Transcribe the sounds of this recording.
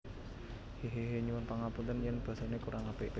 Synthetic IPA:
heɦeɦeɲuwʊnpaŋaput̪ənjɛnb̥a̤sanekuɾʔaŋabeʔ

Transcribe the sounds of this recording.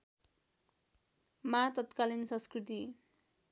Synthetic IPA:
mat̪ʌt̪kalinsʌ̃nskrit̪i

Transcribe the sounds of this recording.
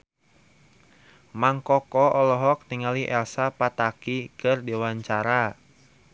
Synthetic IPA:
maŋkɔkɔʔɔlɔɦɔk̚t̪iŋaliʔɛlsapat̪akikɨrdewaɲt͡ʃaɾa

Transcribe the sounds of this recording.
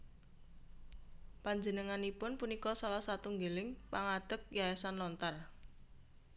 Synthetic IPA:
paɲd͡ʒənəŋanipʊnpunikɔsalahsat̪uŋɡelɪŋpaŋad̪̥ə̤k̚jaesanlɔnt̪ar

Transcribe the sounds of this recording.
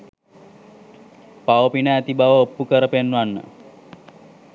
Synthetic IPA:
paʋəpinəæt̪ibaʋəopːukəɾəpenʋanːə̰

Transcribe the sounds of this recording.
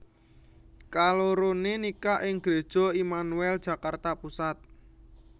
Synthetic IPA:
kaloɾonenikaʔɪŋɡ̥ɾe̤d̥ʒ̥ɔ̤imanuɛld̥ʒ̥ä̤kart̪apusat̪̚

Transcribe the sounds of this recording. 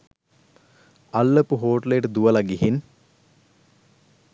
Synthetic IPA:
alːəpuɦoːʈlejəʈəd̪uʋəlaɡiɦin

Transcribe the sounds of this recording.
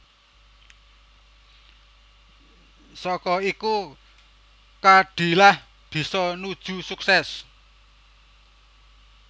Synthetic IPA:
sɔkɔiku | kaɖ̥i̤lah | b̥i̤sɔnud̥ʒ̥ṳsuksɛs

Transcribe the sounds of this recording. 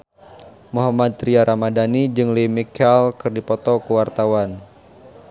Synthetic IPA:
muɦamad̪̚ɾiaɾʔamadanid͡ʒɨŋlimikɛlkɨrdipɔt̪ɔkəwart̪awan

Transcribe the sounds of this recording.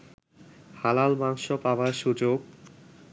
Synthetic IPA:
halalmaŋʃopabaɾʃud͡ʑoɡ̚

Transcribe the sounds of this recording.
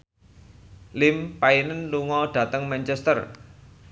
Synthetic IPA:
lɪmpainənluŋɔɖ̥ä̤t̪əŋmɛnt͡ʃɛst̪ər

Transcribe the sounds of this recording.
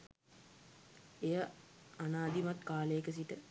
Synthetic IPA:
ejəanaːd̪imat̪kaːləjekəsiʈə

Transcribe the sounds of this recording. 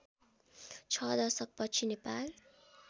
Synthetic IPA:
t͡sʰʌd̪ʌrsʌk̚pʌt͡sʰinepal

